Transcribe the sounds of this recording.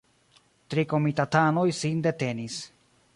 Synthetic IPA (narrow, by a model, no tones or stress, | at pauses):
tɾiko̞mitatano̞jsinde̞te̞nis